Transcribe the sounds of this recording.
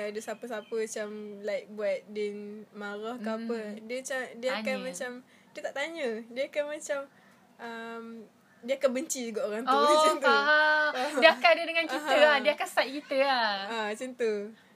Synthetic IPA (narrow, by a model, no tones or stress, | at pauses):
aadəsapəsapəat͡ʃamlat̚buat̪̚dinmaɾahkaapədiət͡ʃadiəakanmat͡ʃam | diət̪aʔt̪aɲədiəakanmat͡ʃam | ʔəm | diəakanbəɲt͡ʃid͡ʒuɡɔʔoɾaŋut͡ʃənt̪ə | diəakadədəŋankitəahdiəakansajʔ̚kit̪əaat͡ʃənt̪ə